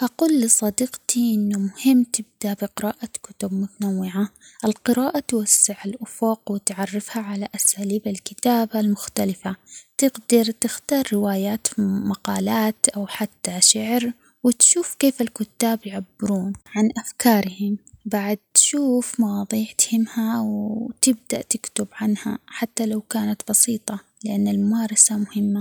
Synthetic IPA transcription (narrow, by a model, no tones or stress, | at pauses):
ʔɑquːlːɪsˤɑd̪iqt̪iʔɪnːʊmʊhɪmːt̪ɪb̚d̪abiqɪɾaːʔakʊ̥t̪ʊb̚mʊt̪anawːɪʕaʔɪlqɪɾaːʔat̪wasːɪʕalʔʊfoqwɪt̪ʕɑrˤːɪfhaʕalaʔasaːliːbalkɪt̪aːbalmʊxt̪alɪfat̪ɪɡd̪ɑɾˤt̪ɪxt̪ɑːɾˤːɪwaːjaːt̪maqɑːlaːt̪ʔawħat̪ːaʃaʕɾ | wɪt̪ʃuːfkeːfalkʊt̪ːaːbjʕabːɪɾuːnʕanʔafkɑːɾˤhɪmbaʕad̪̚t̪ʃuːfmɑwɑːðˤiːʕt̪hɪmhawt̪ɪb̚d̪a̰ʔt̪ɪkt̪ʊbʕanha̰ħat̪ːalawkaːnat̪bɑsiːt̪ˤɑ | lɪʔanːalmʊmɑːɾˤɑsamʊhɪmːa